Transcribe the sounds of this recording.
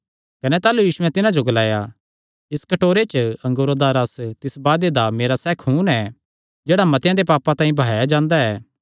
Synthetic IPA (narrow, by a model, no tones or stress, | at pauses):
kɐnɛt̪aːlujiːsʊɛ̃t̪ɪnãd͡ʒoɡɐlaːja | ɪskɐʈoːɾet͡ʃɐ̃ŋɡoːɾod̪aɾɐst̪ɪsbaːd̪ed̪ameːɾasɛːkʰɦuːnɛː | d͡ʒeːɽamɐt̪jãd̪epaːpãt̪ãːĩbʱaːjad͡ʒãːnd̪aɛː